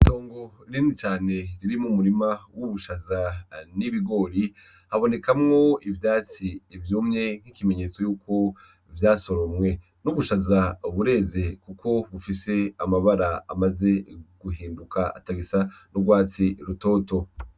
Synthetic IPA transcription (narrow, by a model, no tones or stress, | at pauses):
ito̞ːŋɡo̞ɾiːnit͡ʃaːne̞ɾiɾimumuɾimawuβuʃazaniβiɡo̞ɾi | haβone̞kamŋo̞ivjaːt͡siːvjuːmɲe̞ŋ̥hikime̞ɲe̞ːt͡so̞juːko̞ | vjaːso̞ɾomŋwe̞ | nuβuʃazauβuɾe̞ːze̞kukʰo̞βufise̞amaβaɾaa̰maze̞ɡ̥uɦiːmbukʰaa̰taɡisanuɡwaːt͡siɾuto̞ːto̞